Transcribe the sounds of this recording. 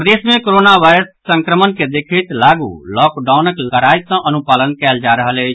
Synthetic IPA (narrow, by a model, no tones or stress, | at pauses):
pəd̪esmẽkoɾonaʋaɪɾəsːə̃ŋkɾəmənked̪ekʰət̪laɡṵlɔkɖaunəkkəɾajsə̃ʔənupalənkɛld͡ʒaɾəɦələ